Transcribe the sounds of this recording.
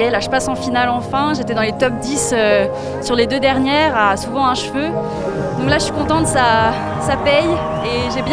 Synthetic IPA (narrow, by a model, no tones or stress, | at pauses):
ɛlaʒə̥pasɑ̃finalɑ̃fɛ̃ʒet̪ɛd̪ɑ̃let̪ɔp̚d̪isø | syʁled̪ød̪ɛʁnjɛːʁasuvɑ̃ɛ̃ʃfø | d̪ɔ̃klaʒəsɥi̥kɔ̃t̪ɑ̃td̪əsa | sapɛj | eʒebjɛ̃